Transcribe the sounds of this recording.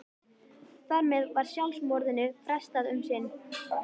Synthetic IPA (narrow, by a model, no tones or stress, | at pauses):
θaɾmɛðvaɾ̥sjalsmɔɾðɪnʏfɾɛst̪aðʏmsɪn